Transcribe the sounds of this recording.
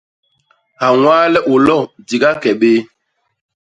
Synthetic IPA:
ha˨waː˦lɛ˦ʔo˨lɔ˦˨di˨ɡa˦kɛ˨ɓeː˦

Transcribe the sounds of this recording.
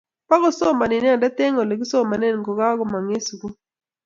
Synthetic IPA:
pa˦kɔ˦so˦˨ma˨nɪ˨n˦a˦˨nda˦t̪e˦ŋo˨le˨ɡi˦so˦ma˨ne˦nkɔ˨ɡa˦ɡɔ˨ma˨ŋe˦su˨ku˦

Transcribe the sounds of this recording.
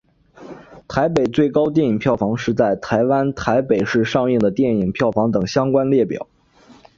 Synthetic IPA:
t̪ʰa˧˥ɪpe˨˩ɪt͡swe˥˩ɪkɑ˥ʊt̪jɛ˥˩ni˨˩ŋpʰjɑ˥˩ʊfɑ˧˥ŋʂɻ̩˥˧t͡sa˥˩ɪt̪ʰa˧˥ɪwa˥nt̪ʰa˧˥ɪpe˨˩ɪʂɻ̩˥˧ʂɑ˥˧ŋi˥˩ŋd̪ə˩t̪jɛ˥˩ni˨˩ŋpʰjɑ˥˩ʊfɑ˧˥ŋt̪ɤ˨˩ŋɕjɑ˥ŋkwa˥nljɛ˥˩pjɑ̰˨˩˦

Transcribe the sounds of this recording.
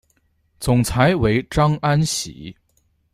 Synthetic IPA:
t͡sʊ˨˩ŋt͡sʰa˧˥ɪwe˧˥ɪʈ͡ʂɑ˥ŋa˥nɕḭ˨˧˦

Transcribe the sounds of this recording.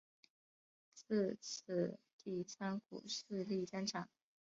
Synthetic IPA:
t͡sɹ̩˥˧t͡s̩ʰ˥˩ | t̪i˥˩t͡sʰa˥nkṵ˨˩ʂɹ̩˥˧li˥˩t͡sa˥nʈ͡ʂʰɑ˨˩˦ŋ

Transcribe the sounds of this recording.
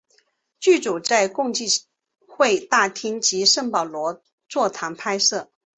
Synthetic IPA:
t͡ɕy˥˩t͡su˨˩t͡sa˥˧ɪkʊ˥˧ŋt͡ɕi˥˩ | xwe˥˧ɪt̪a˥˩t̪ʰi˥ŋt͡ɕi˧˥ʂə˥˩ŋpɑ˨˩ʊlwɔ˧˥ | t͡swɔ˥˩t̪ʰa˧˥ŋpʰa˥ɪsɤ˥˩

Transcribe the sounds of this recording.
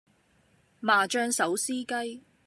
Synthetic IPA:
maː˨˩t͡ʃœː˧ŋsɐ˨˥wsiː˥kɐ˥j

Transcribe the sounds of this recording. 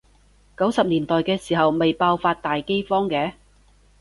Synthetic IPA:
kɐ˨˥wsɐ˨p̚liː˨˩nt̪ɔː˨jkɛː˧siː˨˩ɦɐ˨wme˨jpaː˧wfaː˧t̚t̪aː˨jke˥jfɔː˥ŋkɛː˨˥

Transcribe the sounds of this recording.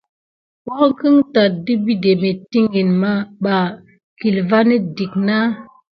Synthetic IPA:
wɔ˦ŋki˦ŋta˨t̚di˦bi˦de˨me˨ti˦ŋɡi˨nma˦ɓa˨ | ki˨lva˦ni˦di˨k̚na˦

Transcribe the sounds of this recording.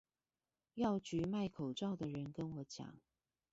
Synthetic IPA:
jɑ˥˨ʊt͡ɕy˨˥ma˥˩ɪkʰo˨˩ʊʈ͡ʂɑ˥˨ʊd̪ə˩ɻə˨˦nkə˦nwɔ˨˥t͡ɕjɑ̰˨˦ŋ

